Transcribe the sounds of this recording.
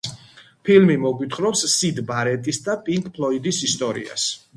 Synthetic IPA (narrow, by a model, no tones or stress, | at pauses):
pʰilmimɔɡwit̪ʰχɾɔpssid̪baɾɛt̪ʼisd̪apʼiŋkʰʼpʰlˠɔid̪isist̪ʼɔɾḭa̰s